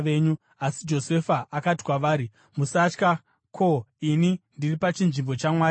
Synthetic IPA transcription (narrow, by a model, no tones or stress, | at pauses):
e̞ːɲu | asid͡ʒo̞se̞faʔakati̥kwaʋaːɾi | musat͡ʃka | kʰo̞inindiripat͡ʃinʐimbo̞t͡ʃamwaː